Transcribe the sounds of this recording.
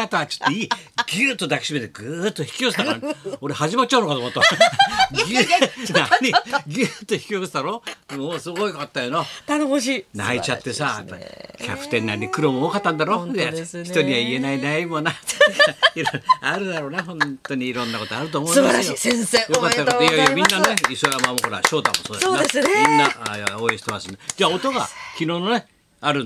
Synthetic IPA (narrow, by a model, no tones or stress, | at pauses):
at̪aat͡ɕi̥t̪ːeiːɡʲit̪ːod̪aki̥ɕimet̪eɡɯːt̪ːoçi̥kʲiosɨt̪akaɾãnoɾehaʑimat͡ɕ̚t͡ɕaɯnokat̪omat̪ːoa | ɡʲinaɲiɡʲɨt̪ːoçi̥kʲiosɨd̪aɾo̞ːmoːsɨɡoiokat̪ːajonot̪anohoɕina̰it͡ɕat̪ːe̞sa̰p̪ːakʲa̰pɯ̟̥t̪ẽ̞nːaɾʲiɲʲikɯɾomooːkat̪ːãnd̪aɾo̞ːçit̪o̞ɲʲiβaie̞nainaimona | iɾaɾɯ̟d̪aɾo̞ːnahõ̞nt̪o̞ɲ̟iːɾõ̞nːako̞t̪oaɾɯ̟t̪oːmõːsɨaɾajisẽnsejokatt̪ːakooiaijamʲĩnːaneisoɾamamokoɾa̰ɕo̞ːt̪a̰mːosoːd̪soesminːajaoːeɕi̥t̪emasɨnad͡ʑaːot̪oɡa̰kʲino̞ːnone | aɾɯ